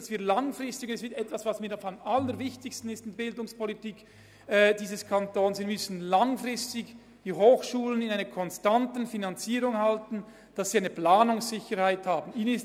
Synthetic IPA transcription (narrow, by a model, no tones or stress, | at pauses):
sviːɐlaŋfʁɪstɪɡnɛsv̥ɪtɛtv̥asvasmiːɾaχamʔalːəɾvɪçtɪçstn̩ɪstmbɪldʊŋspʰɔlitiːk | ɛːd̥iːzəskʰantoːnsviːmʏsn̩laŋfʁɪstɪɡ | d̥iːɦoːxʃuːlənɪnaɪnɐkʰɔnstantn̩finant͡siːɾʊŋhaltn̩ | d̥asːiːaɪnəplaːnʊŋsz̥ɪçəɾhaɪthaːbn̩iːnənɪs